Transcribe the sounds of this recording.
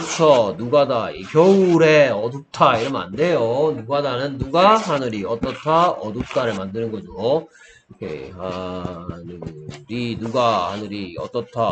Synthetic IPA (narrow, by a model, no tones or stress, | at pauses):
t͡ɕʰʌnuɡadaikjʌuɾe̞ʌduk̚tʰaiɾʌma̰nde̞jonuɡadanɯnːuɡahanɯɾiʌt͈ʌtʰaʌduk̚t͈ʰaɾɯɭmandɯnɯnɡʌd͡ʑiɡo | jḛha | nɯɾinuɡahanɯɾiʌt͈ʌtʰa